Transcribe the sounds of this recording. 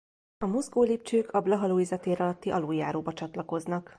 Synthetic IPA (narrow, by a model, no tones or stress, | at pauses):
ɒmozɡoːliːp̚t͡ʃøːkʰɒblɒɦɒloːizɒt̪eːɾɒlɒt̪ːiʔɒloːjaːɾoːbɒt͡ʃɒt̪lɒko̞znɒk